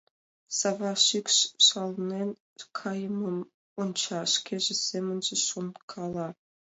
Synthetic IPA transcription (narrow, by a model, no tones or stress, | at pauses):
sɑvɑʃykʃʃɑlnenʲ | kʰɑjəməm | ont͡ɕɑʃkʰʲeʒĕsʲemə̆nʒĕʃonkʰɑlˠɑ